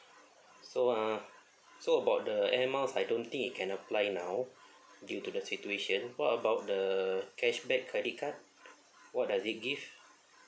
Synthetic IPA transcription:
soã | soəbawt̚dəɛnməlsajdõnt̪ĩŋkit̚kʰɛ̃nəplajnãw | djutudəsitueʃə̃nwɔtəbawt̚dəkʰɛʃbɛt̚kʰːɹɛdit̚kʰat̚ | wɔt̚dasit̚ɡiv

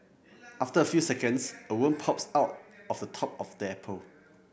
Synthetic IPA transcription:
ʔaftəəfjusɛkə̃nsəwə̃mpʰɔpsaʊt̚ɔfdətʰɔp̚ɔfdəɛpʰəl

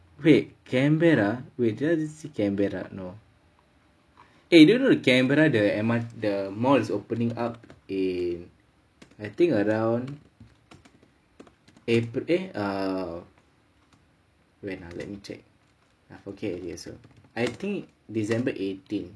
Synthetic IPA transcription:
weʔkʰɛ̃mbɛɹawedadisikɛ̃mbɛɹa̰no | edonodəkɛ̃mbɛɹadəɛmadəmɔlisopənĩŋap̚in | ajt̪ĩŋəɹãwn | epɾea | wɛ̃nalɛ̰t̚mit͡ʃɛ̰k̚ | afokejɛ̰so̰ajt̪ĩŋkdisɛ̃mbəʔetĩn

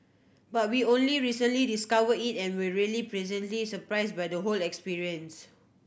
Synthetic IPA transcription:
bat̚wiõnliɹisə̃nlidiskavəditɛ̃nwiɹilipɹɛzə̃ntlisəpɹaɪsbajdəɦolɛkspiɹiə̃ns

